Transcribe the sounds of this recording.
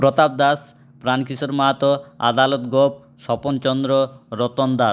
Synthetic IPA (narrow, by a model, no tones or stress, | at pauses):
pɾot̪ab̚d̪as | pɾankisoɾmat̪oa̰d̪alot̪ɡop̚ | ʃɔpont͡ɕɔnd̪ɾoɾot̪ond̪a